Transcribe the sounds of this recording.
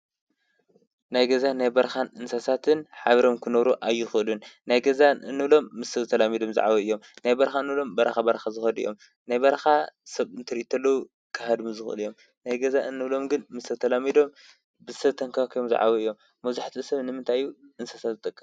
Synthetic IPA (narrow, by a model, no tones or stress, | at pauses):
najɡɐzanajbɐɾxanʔɨnsasat̪ʰɨnħaβɐɾo̞mkʰɨnɐβɾuʔajːɪxɨʔɨlunnajɡɐzaɨnːɨβlo̞mːɨst̪ʰɐβt̪ʰɐlamid̪o̞mza̰ʕa̰βoɨjːo̞mnajbɐɾxaɨnːɨβlo̞mbɐɾɐxabɐɾɐxazɨxɐd̪ɨ̰jo̞m | najbɐɾɐxasɐβɨnt̪ʰɨɾɨʔit̪ʰɐlːɐwu | kʰɐhad̪mizɨxʔɨ̰lɨjo̞m | najɡɐzaʔɨnːɨβlo̞mɡɨnmɨst̪ʰɐt̪ʰɐlamid̪o̞m | bɨsɐβt̪ʰɐŋkʰakʰjomza̰ʕa̰βɐɨjːo̞mːɐzaħt̪ʰisɐβnɨmɨnt̪ʰajuʔɨnsasat̪zɨt̪ʼɨkʼːɨm